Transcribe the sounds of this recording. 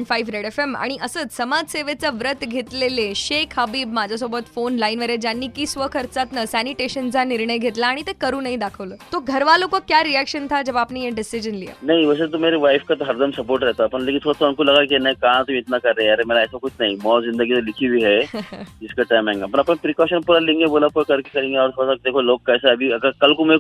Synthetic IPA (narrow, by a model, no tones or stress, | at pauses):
ɳɖfaifɾeɽefema̰ɽ̃iʔəsəːt͡ssəmad͡zseʋet͡səʋɾət̪ɡʱet̪leleɕekʰɦəbiːbmad͡ʑʱasobət̪fonlainʋəɾed͡ʑjanːiːkiːsʋəkʰəɾt͡sat̪nəsæniʈeɕənt͡saniɾɳəjɡʱet̪laːɽ̃it̪ekəɾuːnaɦid̪akʰəʋləːt̪oɡʱəɾʋalokokjaɾiækɕənt̪ʰad͡ʑəʋ̤aːpnijeɖisid͡ʑənlia̰nɐɦĩʋəset̪̬omeɾeʋajfkat̪oɦəɾd̪əmsəpoɾʈɾɛɦt̪apəɳlekʲint̪ʰoɽat̪ʰoankuləɡak̬ienaikãt̪umiːt̪nakəɾːeaɾemelaɛsakut͡ɕʰnaɦimɔzĩnd̪əɡit͡səlikʰibʱiːɦɛiskaʈajmɛ̃ŋɡapəɳ̃apəɳpɾikɔɕənpuɾalĩŋɡebolapojkəɾkikəɾĩŋɡeaʋəɾt̪ʰoɽasak̚d̪ekʰolokːajsaːbʱiɐɡakəlkum